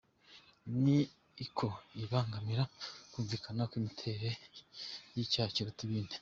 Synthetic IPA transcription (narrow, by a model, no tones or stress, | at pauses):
niː | kʰoiβaːŋɡamiɾakuːɱvikʰanakwimitʰe̞ɾe | jicaːciɾotiβiːne